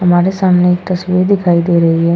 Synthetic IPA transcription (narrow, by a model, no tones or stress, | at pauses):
ɦɐmaːɾesaːmneːkt̪ɐsʋiɾd̪ɪkʰaːid̪eːɾɐɦiɦɛː